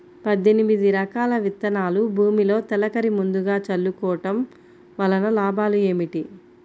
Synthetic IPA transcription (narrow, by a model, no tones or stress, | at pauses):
pɐd̪ːenimid̪iɾɐkaːlɐʋit̪ːɐnaːlubʱuːmilo̞ːt̪ɛlɐkɐɾimund̪uɡaːt͡ʃɐlːukɔːʈɐm | ʋɐlɐnɐlaːbʱaːlue̞ːmiʈi